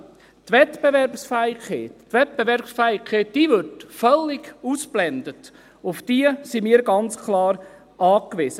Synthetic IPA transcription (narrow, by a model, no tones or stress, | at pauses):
t̪ʋɛt̪b̥evɛɾpsfæɪkeːttːʋɛt̚b̥evɛɾpsfɛɪkʰeːt̚d̥iːvʏɾtfœlːɪɡuːsblɛnd̪ət | ʊfd̥iəsimiːɾɡɑnt͡skʰlɑːɾ | ʔɑːkʋɪzə